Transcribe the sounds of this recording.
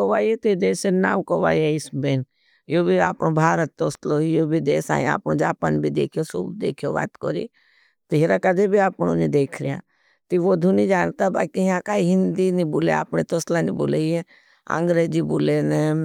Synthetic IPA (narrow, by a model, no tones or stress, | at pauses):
koʋaːjet̪od̪eːsena̰ːwkoʋa̰ːieɪsben | jobʱiaːpnobʱaːɾət̪ːoːslojobʱid̪eːsa̰ːẽa̰ːpnõd͡ʒaːpənbʱid̪ḛːkʰijosṵbd̪ḛːkʰijoba̰ːt̪ko̰ɾḭ | t̪oɦiɾakɐd̪ebʱiaːpnonid̪eːkʰɾija̰ː | t̪iʋod̪ʱunid͡ʒaːnt̪aɦba̰ːkijɦãkaːiɦɪnd̪inibuːlḛa̰ːpnet̪oslanḭbṵleiɦe | ə̰̃ŋɡɾeːd͡ʒibuːlene